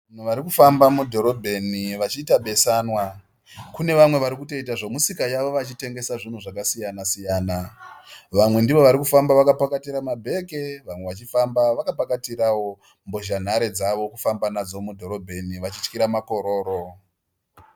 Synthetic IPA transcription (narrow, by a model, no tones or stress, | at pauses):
nuʋaɾikufambamudʱo̞ɾo̞bʱe̞niʋat͡ʃiːtaɓe̞sanwa | kune̞ʋamwe̞ʋaɾikuto̞itaʐo̞musikajaʋo̞ʋat͡ʃite̞ŋɡe̞saʐin̤uʐakasijanasijaːna | ʋamwe̞ndiʋo̞ʋaɾikufambaʋakapakatiɾamabʱe̞ke̞ʋamwe̞ʋat͡ʃifambaʋakapakatiɾawo̞ | mboʒan̤aɾe̞d͡zaʋo̞kufambanad͡zo̞mudʱo̞ɾo̞bʱe̞niʋat͡ʃit͡ʃkiɾamako̞ɾo̞ːɾo̞